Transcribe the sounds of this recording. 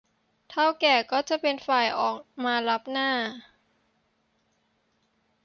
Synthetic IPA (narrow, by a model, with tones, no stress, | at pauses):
t̪ʰa˥˩wkɛː˨˩kɔː˥˩t͡ɕa˨˩ʔpe˧nfaː˨˩jʔɔː˨˩k̚maː˧la˦˥p̚naː˥˩